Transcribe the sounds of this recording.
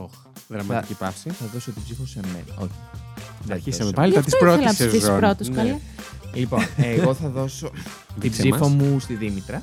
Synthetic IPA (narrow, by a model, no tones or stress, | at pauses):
oxðɾɐmɐɐipɐfsiθɐðo̞sot̪ibzifosemḛnɐ̰o̞̰çi̥ðeisɐmpɐliɐt̪issɾoelɐnɐsezisonɾot̪osɐlɐlipo̞eɣo̞θɐðo̞so̞ | t̪ibziffomust̪iðimit̪ɾɐ